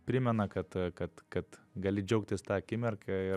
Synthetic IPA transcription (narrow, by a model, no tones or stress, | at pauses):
pʲɾʲɪmʲɛnɐkɐt̪kɐt̪kɐt̪ɡɐlʲɪd͡ʒʲɛʊk̚t̪ʲɪst̪ɑːɐkʲɪmʲɛrkʲɛɪ